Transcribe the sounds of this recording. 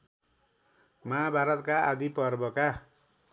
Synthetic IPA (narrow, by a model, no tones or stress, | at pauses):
maabʱaɾʌt̪kaʔad̪ipʌrbʌka